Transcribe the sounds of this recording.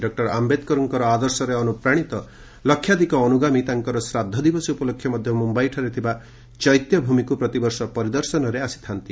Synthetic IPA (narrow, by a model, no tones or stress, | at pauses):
ɖɔk̚ʈɔɾambet̪kɔɾɔŋkɔɾɔad̪ɔɾsɔɾeɔnupɾaɽ̃it̪ɔ | lɔkʰːjad̪ikɔːnuɡamit̪aŋkɔɾɔsɾad̪ʱːɔd̪ibɔsiupɔlokʰːjɔmɔd̪ʱjɔmumbajʈʰaɾit̪ʰiba | t͡ʃɔjt̪jɔbʱumikupɾɔt̪ibɔɾsɔpɔɾid̪ɔɾsɔnɔɾeasi̥t̪ʰant̪i